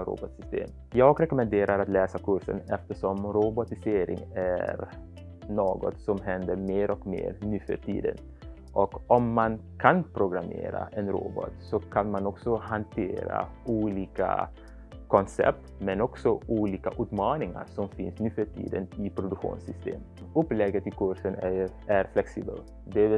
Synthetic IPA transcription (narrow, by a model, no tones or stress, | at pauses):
ɾṵbɔt̪sʏst̪ḛːm | jɑːɡɾɛkɔmɛnd̪eːɾaɾat̪lɛːsakʰʉʂə̰nɛft̪əʂɔmɾʊbɔt̪ɪseːɾɪ̰ŋæɾ | noːɡɔ̰t̪sɔmɦɛnd̪əɾmeːɾʔɔkmḛːɾnʉːfœʈḭːd̪ə̰n | ʔɔkɔmːankʰanpʰɾʊɡɾamḛːɾa̰ʔɛnɾo̰ːbɔ̰t̪sɔkʰanmanɔksɔhant̪ʰeːɾa̰uːliːka̰ | kɔnsɛ̰p̚t̪mɛnɔksɔuːliːkaʔʉːt̪mɑːnɪŋa̰ɾʂɔmfɪnsnʉ̟ːføʈʰḭːd̪ənɪpʰɾʊd̪ʉkɧṵːnsʏst̪ḛːm | ɵpːlɛɡət̪ɪkʰʊʂən | æɾflɛksiːbə̰l | d̪ɛ